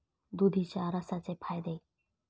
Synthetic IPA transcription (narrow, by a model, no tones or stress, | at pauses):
d̪ud̪ʱit͡ɕaɾəsat͡sepʰajd̪e